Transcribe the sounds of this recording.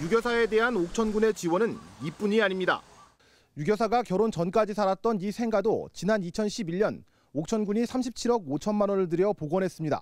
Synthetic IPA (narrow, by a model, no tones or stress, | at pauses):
juɡjʌsʰae̞de̞ɦanok̚t͡ɕʰʌnɡune̞t͡ɕiwʌnɯnip͈uɲiaɲimɲida̰ | juɡjʌs̬ʰaɡakjʌɾont͡ɕʌnk͈ad͡ʑisʰaɾat̚t͈ʌnisʰe̞ŋɡadot͡ɕinanit͡ɕʰʌnɕʰibiʎːʌn | ok̚t͡ɕʰʌnɡuɲisʰamɕʰip̚t͡ɕʰiɾʌɡot͡ɕʰʌnmanʌnɯɭd̬ɯɾjʌpoɡwʌnɦe̞s͈ɯmɲida̰